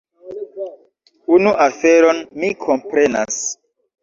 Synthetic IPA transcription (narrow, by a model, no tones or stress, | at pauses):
unuʔafe̞ɾo̞nmikʰo̞mpɾe̞na̰s